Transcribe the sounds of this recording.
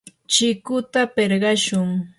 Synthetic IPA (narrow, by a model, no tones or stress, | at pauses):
t͡ʃɪkʊt̪apeɾɢɑʃʊŋ